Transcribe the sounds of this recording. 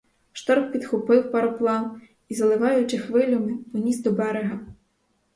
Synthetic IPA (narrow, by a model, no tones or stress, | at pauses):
ʃt̪ɔrppʲid̪xʊpɪwpɐɾɔplˠɑn | izɐlˠɪʋɑjʊt͡ʃɪxʋɪlʲɔmɪpɔnʲisd̪ɔbɛɾeɦɐ